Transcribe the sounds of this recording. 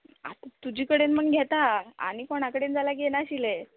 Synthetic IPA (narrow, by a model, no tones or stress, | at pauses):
a̰t̪t̪ud͡ʑiːkəɽenmənɡʱet̪aa̰ɽ̃ikoɽ̃akəɽend͡zalaɡenaɕile